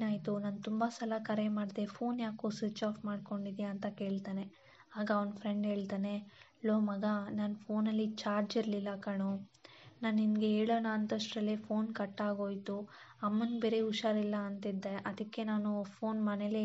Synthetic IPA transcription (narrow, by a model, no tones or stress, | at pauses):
naːjt̪unaːnt̪umbɐsɐlɐkɐɾemaːɽd̪e̞pʰo̞ːnjaːkosʋit͡ʃaːfmaːɖko̞ɳɖid̪ijaɐnt̪ɐke̞ːɭt̪aːne̞ | aːɡɐɔnpʰɾeɳɖɦe̞ːɭt̪aːne̞ | loːmɐɡɐnaːnpʰo̞ːnɐlːit͡ʃaːɾd͡ʒiɾlilːɐkɐɳunaːnːimɡeeːɭoːnaːnt̪ɐʂʈɾɐlepʰoːnkɐʈːaːɡo̞ːjt̪u | ɐmːɐnbeːɾe̞uʃaːɾilːɐːnt̪id̪ːeʔɐd̪ɐkːe̞naːnupʰo̞ːnmɐnele